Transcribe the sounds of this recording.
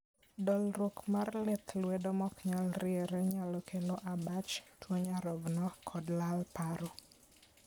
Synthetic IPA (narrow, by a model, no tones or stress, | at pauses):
dɔlɾokmarlɛt̪lwɛdɔmɔkɲalɾɪeɾeɲalɔkʰelɔʔabat͡ʃtwoɲaɾɔvnɔkʰɔdlalpaɾɔ